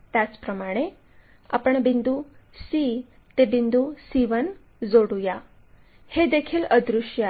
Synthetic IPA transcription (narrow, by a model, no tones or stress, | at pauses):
t̪jat͡spɾəmaɽ̃e | a̰pəɳbind̪usi | t̪ebind̪usiʋən | d͡zoɽuja | hed̪ekʰiːləd̪ɾuɕja